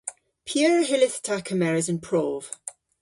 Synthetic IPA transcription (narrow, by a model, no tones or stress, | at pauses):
pʰjəːɹəɦɪlɪθtʰakʰəmɛɹəzə̃npʰɹ̥ɔːv̥